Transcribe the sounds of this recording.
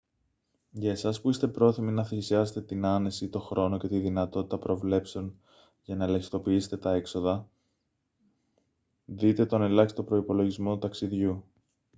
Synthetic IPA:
ʝɐesɐspuist̪e̞pɾo̞θiminɐθeçisiɐset̪e̞t̪inɐne̞sit̪o̞xɾo̞no̞ce̞t̪iðinɐt̪o̞t̪i̥t̪ɐpɾo̞vle̞pse̞o̞n | ʝɐnɐelɐçist̪o̞piise̥t̪e̞t̪ɐe̞kso̞ðɐ | ðit̪e̞t̪o̞nelɐçsi̥t̪opɾo̞ipo̞lo̞ʝizmo̞t̪ut̪ɐksiðʝu

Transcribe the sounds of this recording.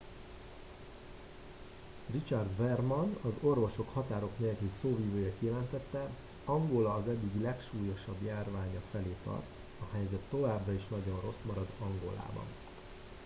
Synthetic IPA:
rit͡ʃɒrd̪vɛrmɒnɒzo̞rvo̞ʃo̞khɒt̪aːɾo̞kneːlkylsoːviːvøːjɛkijɛlɛnt̪ɛt̪ːɛ | ɒŋɡolɒːzɛd̪ːiɡilɛkʃuːjo̞ʃɒbjaːrvaːɲɒfɛleːt̪ɒ̰rt̪ | ɒhɛjzɛt̪ːo̞vaːbrɒiʃnɒɟo̞nro̞smɒɾɒd̪ɒŋɡo̞̰la̰ːbɒ̰n

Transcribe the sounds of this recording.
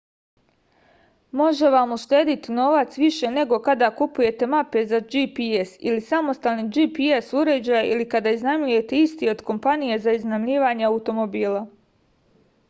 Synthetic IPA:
mo̞ʒe̞ʋamuʃt̪e̞ːd̪it̪ino̞ʋat̪sʋiʃe̞ne̞ɡo̞kad̪akupuje̞t̪e̞mape̞zad͡ʒipiesilisamo̞st̪alniːd͡ʒipiesuɾe̞d͡ʑajeʔilikad̪aiznamʎuje̞t̪e̞ist̪io̞d̪ko̞mpanije̞zaiznamʎiːʋaɲeaut̪o̞mo̞biːlˠa

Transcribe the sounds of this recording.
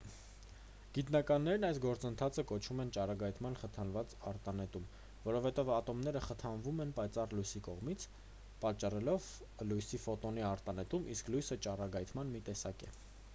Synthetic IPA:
ɡ̥it̪nɑkɑnːɛɾnɑjsɡɔɾt͡sənt̪ʰɑt͡sʰəkɔt͡ʃʰvumɛnt͡ʃɑrɑɡɑjt̪ʰmɑnχət̪ʰɑnvɑt͡sɑɾt̪ɑnɛt̪um | vɔɾɔvhɛt̪ɛvɑt̪ɔmnɛɾəχət̪ʰɑnvumɛnpɑjt͡sɑrlujsikɔʁmit͡sʰ | pɑt͡ʃːɑrɛlɔv | lujsifɔt̪ɔniɑɾt̪ɑnɛt̪umʔisklujsət͡ʃɑrɑɡɑjt̪ʰmɑnmit̪ɛsɑkɛ̰

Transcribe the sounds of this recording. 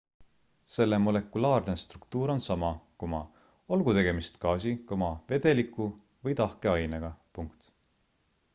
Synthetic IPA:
se̞lːe̞mo̞le̞kːˑulɑːrne̞st̪rukt̪uːɾo̞nsɑmɑkumɑ | o̞lɡ̥ut̪e̞ɡ̥e̞mist̪kɑːsikomɑve̞d̪̥e̞likˑːu | vɤjt̪ɑhke̞ɑjneɡ̥ɑpuŋkt̪

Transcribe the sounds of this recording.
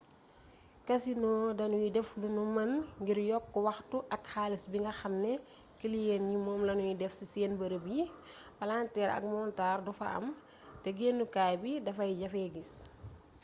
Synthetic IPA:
kɐsinɔːdɐnujidɛflunumɐnŋɡiɾjɔkːɔwɐxtuʔɐkxaːlisbiŋɡɐxɐmnɛ | kilijɛnjimɔːmlɐnujidɛfsiseːnbɐɾəbji | fɐlantɛːɾɐ̰k̚mɔntaːrdufɐ̰ʔɐ̰m | tɛɡeːnːukaːjbidɐfɐjɟɐfɛɡis

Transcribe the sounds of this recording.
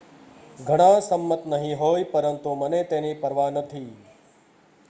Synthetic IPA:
ɡʱəɽ̃ãsəmːət̪nəɦĩɦoːjpəɾənt̪umənet̪eːnipɐɾʋanət̪ʰiː

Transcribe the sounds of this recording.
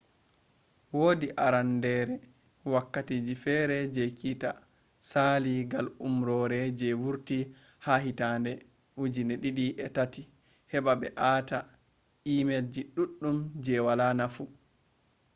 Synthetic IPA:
woːdiʔaɾandɛɾɛ | wakːatiːd͡ʒifɛɾɛd͡ʒɛkita | saːliɡalumɾɔɾɛd͡ʒɛwuɾti | haɦitandɛ | hud͡ʒinɛɗiɗiʔɛtati | hɛɓaɓɛʔaːta | imeld͡ʒiɗuɗːumd͡ʒɛwalanafu

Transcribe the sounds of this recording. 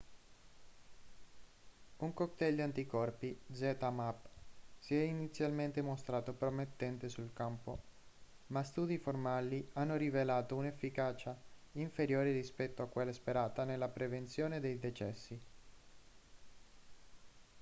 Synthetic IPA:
uŋkokt̪ɛʎːoant̪ikɔrpid̪zɛt̪amapːsiɛinit̪sːjalment̪emost̪ɾaːt̪opɾomet̪ːɛnt̪esulkampo | mast̪uːd̪iformalianːoɾivelaːt̪ounefːikaːt͡ʃaiɱfeɾjoːɾirispɛt̪ːoakːwelːaspeɾaːt̪anelːapɾevent̪sjoːned̪ejd̪ɛt͡ʃɛsːi

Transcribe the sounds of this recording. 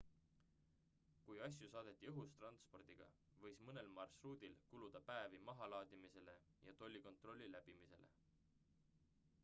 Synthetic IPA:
kujɑs̬jusɑːd̪e̞t̪ˑːiɤɦust̪rɑnspo̞rd̪̥iɡ̥ɑ̰ | vɤ̞jsmɤne̞lmɑrsruːd̪̥ilkulud̪̥ɑpæevimɑɦɑlɑːd̪̥imise̞le̞ | jɑt̪o̞lʲːiko̞nt̪ˑro̞lʲːilæb̥imise̞lḛ

